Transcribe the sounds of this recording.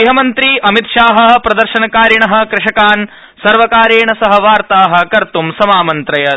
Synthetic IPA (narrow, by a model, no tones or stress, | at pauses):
iɦɐmɐnt̪ɾiɐmit̪ʃaːɦɐɐpɾɐd̪ɐɾʃɐnɐkaːɾjɐɳɐɦɐ̆kɾɪʃɐkaːn | sɐɾʋɐkaːɾeːɳɐsɐɦɐ̆ʋaːɾt̪aːɦɐ̆kɐɾt̪umsɐmaːmɐnt̪ɾɐjɐ